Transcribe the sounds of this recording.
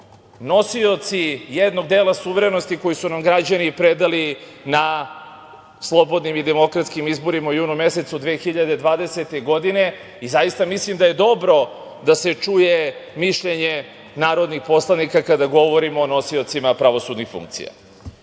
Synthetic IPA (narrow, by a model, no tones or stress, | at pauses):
no̞sio̞t̪sijed̪no̞ɡ̚d̪eːlˠasuʋeɾeno̞st̪iko̞jisunamɡɾad͡ʑanipɾed̪ali | na | slˠo̞bo̞d̪nimid̪e̞mo̞kɾat̪skimizbo̞ɾimaujuːnume̞se̞t̪sud̪ʋeːxiʎad̪ed̪ʋaːd̪e̞se̞t̪eɡo̞d̪ine̞ | izajist̪amislimd̪aje̞d̪o̞bɾo̞ | d̪aset͡ʂujemiʃʎeɲe | naːɾo̞d̪nixpo̞slˠanikakad̪aɡo̞ʋo̞ɾimoːno̞sio̞t̪simapɾaʋo̞sud̪nixfṵŋk̚t̪sḭja̰